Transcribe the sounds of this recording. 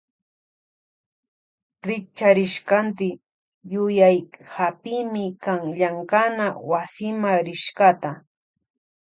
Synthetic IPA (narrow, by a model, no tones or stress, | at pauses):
ɾɪk̚t͡ʃaɾɪʃkant̪ɪ | jʊjajhapɪmɪkaŋʎaŋkanawasɪmaɾɪʃkat̪a